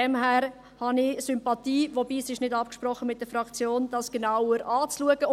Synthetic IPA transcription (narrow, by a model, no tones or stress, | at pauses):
ɛmɦæːɾ | hɑnɪsʏmpɑtiːvobiːsɪʃnɪdɑpkʃpɾɔχːəmɪt̚d̥əɾfɾɑkt͡sjoːnd̥ɑsɡ̥ənaʊəɾʔɑːt͡sluəɡ̥ə